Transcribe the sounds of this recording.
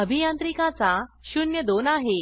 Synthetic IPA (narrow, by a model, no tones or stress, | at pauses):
əbʱijãnt̪ɾikãt͡saɕunjəd̪onaɦe